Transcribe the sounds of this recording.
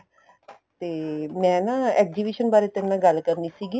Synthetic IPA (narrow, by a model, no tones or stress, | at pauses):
t̪eːmɛ̃naːɛːk̚d͡ʒiːbiːʃənbaːɾet̪ɛ̃nːãːɡəlkəɾniːsiːɡiː